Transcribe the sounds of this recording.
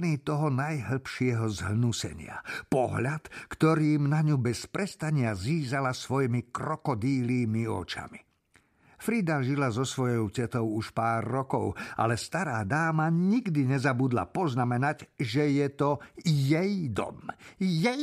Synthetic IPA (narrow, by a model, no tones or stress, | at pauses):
niːt̪ɔɦɔnajɦl̩pʃɪɛɦɔzɦnusɛ̰ɲɪa̰pɔɦʎat̪kt̪ɔɾiːmnaɲubɛspɾɛst̪aɲɪaziːzalasʋɔjmikɾɔkɔd̪iːliːmiɔ̰t͡ʃa̰mi | fɾid̪aʒilazɔsʋɔjɔʊcɛt̪ɔʊuʃpaːrːɔkɔʊa̰lɛst̪aɾaːd̪aːmaɲiɡd̪iɲɛzabud̪la̰pɔznamɛnaɟʒɛjɛt̪ɔjɛjd̪ɔ̰mjɛj